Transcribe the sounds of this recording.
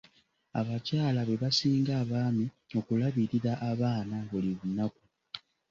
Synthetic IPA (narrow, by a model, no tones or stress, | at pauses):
aβacaːlaβe̞βasiːŋɡaːβaːmi | o̞kulaβiɾiɾaʔːβaːnaβuliβunaku